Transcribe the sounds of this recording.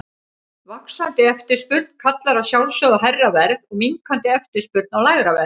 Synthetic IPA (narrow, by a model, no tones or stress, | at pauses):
vaksant̪ɪɛft̪ɪ̥spʏɾt̪n̥kʰat̪laɾaðsjawlsœðaɦɛrːavɛɾðɔɣmiŋkʰant̪ɪɛft̪ɪ̥spʏɾt̪̚nawlaːjɣɾavɛɾð